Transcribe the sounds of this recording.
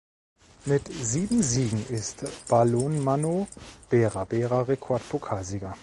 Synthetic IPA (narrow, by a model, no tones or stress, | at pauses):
mɪtziːbm̩ziːɡŋ̩ʔɪstb̥aloːnmanob̥ɛːʁabɛːʁaʁekʰɔɐtpʰokʰaːlziːɡɐ